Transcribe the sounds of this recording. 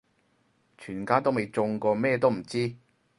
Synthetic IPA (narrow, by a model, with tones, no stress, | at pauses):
t͡ʃʰyː˨˩nkaː˥t̪o˥wme˨˧jt͡sʊ˧ŋkɔː˧mɛː˥˧t̪o˥wm̩˨˩t͡siː˥